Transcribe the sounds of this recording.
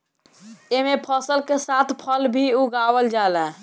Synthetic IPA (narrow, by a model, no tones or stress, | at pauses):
emepʰəsəlkesat̪ʰpʰəlbʱiuɡawəld͡ʒalɛ̃